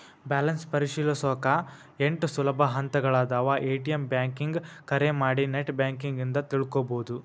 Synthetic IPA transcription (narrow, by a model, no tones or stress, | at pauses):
baːlɐnspɐɾiʃiːlɐsɔːkɐ | eɳʈusulɐbʱɐɦɐnt̪ɐɡɐɭaːd̪aːʋɐʔeːʈijembjaːŋkiŋɡkɐɾemaːɽineʈbjaːŋkiŋɡind̪ɐt̪iɭukoːboːd̪u